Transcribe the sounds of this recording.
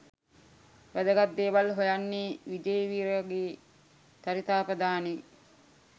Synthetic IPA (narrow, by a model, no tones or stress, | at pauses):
ʋæd̪əɡat̪̚d̪eːʋalɦojanːeːʋid͡ʒejʋiːɾɡeː | t̪aɾit̪aːpəd̪aːne